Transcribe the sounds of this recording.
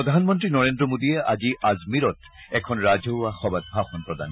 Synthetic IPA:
ɔd̪ʱanmɔntɹinɔɹendɹɔmodijɛʔaziʔazmiɾɔt | ɛkʰɔnɹazʱoaxɔbat̚bʱaxɔnpɹɔd̪a̰n

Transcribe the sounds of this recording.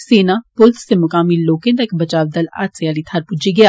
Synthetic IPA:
seːnapʊlt̪ʰsemʊkaːmiloːkẽt̪ɐkbɐt͡ʃaːʋd̪ɐla̰ːt̪sjaːlit̪ʰaɾpʊd͡ʒiɡɐjaː

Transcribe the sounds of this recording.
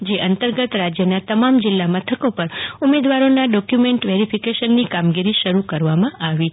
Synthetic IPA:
d͡ʒeʔənt̪əɾɡət̪ɾad͡ʒjənat̪əmamd͡ʒɪlːamət̪ʰəkopəɾumed̪ʋaɾonaɖɔkjumeɳʈʋeɾipʰikeʃənːikamɡiɾiʃəɾukəɾʋamãʔaʋi

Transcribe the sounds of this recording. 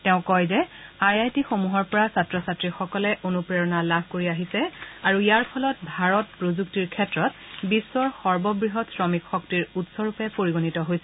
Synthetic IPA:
tɛʊ̃kɔjzɛajajtixomuɦɔɹpɔɹasatɹɔsatɹixɔkɔlɛʔonupɹeɹɔnalabʱkoɹiaɦisɛaɹuijaɹpʰɔlɔt̚bʱaɹɔt̚pɹozuktiɹkʰɛtɹɔtbisːɔɹxɔɹbɔbɹiɦɔtsɹɔmikxɔktiɹutsɔɹupɛpoɹiɡonitɔɦojsɛ

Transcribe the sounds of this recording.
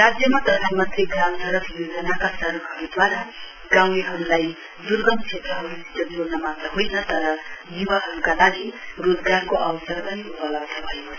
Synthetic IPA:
rad͡zjʌmat̪ʌd̪ʰʱajmʌt̪ʰeɡansʌɾʌpʰjod͡zʌnakasʌɾʌkɦʌɾud̪waɾa | ɡaw̃niɦʌɾulaj | d̪urɡʌmt͡ʃʰet̪rʌɦʌɾusi̥d͡zʌnonʌmat̪rʌɦojnʌt̪ʌɾʌnibaɦʌɾukalaɡirod͡zɡarkoʔʌwʌsʌrpʌniupʌlʌbsʌbʱʌjo

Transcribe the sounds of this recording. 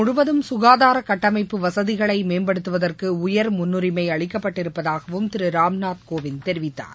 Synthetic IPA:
mʊɻʊʋɐðɯmsʊɣaːðaːɾɐkɐʈːɐmɐɪpːɯʋɐsɐðɪɣɐɭɐɪmeːmbɐɽɯt̪ːɯʋɐðɐrkɯʊjɐɾmʊnːɯɾɪmɐɪɐɭɪkːɐpːɐʈːɪɾɯpːɐðaːɣɐʋɯmt̪ɪɾɯɾaːmnaːt̪̚koːʋɪnt̪ɛɾɪʋɪt̪ːa̰ːɾ

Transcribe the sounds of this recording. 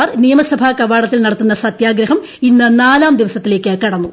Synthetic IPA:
rnijɐmɐsɐbʱakɐʋaːɽɐt̪ːilnɐɽɐt̪ːunːɐsɐt̪jaːɡɾɐɦɐm | inːɨnaːlaːmd̪iʋɐsɐt̪ːile̞ːkʲːɨkɐɽɐnːu

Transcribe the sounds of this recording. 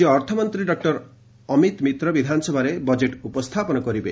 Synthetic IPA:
iɔɾt̪ʰɔmɔnt̪ɾiɖɔk̚ʈɔɾ | ɔmit̪mit̪ɾɔbid̪ʱanɔsɔbʱaɾebɔd͡ʒeʈupɔst̪ʰapɔnɔkɔɾibe

